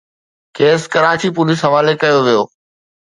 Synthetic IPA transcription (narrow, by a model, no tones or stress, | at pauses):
keːskɐɾaːt͡ɕipʊlis̬ɦɐʋaːlekɐjoʋijoː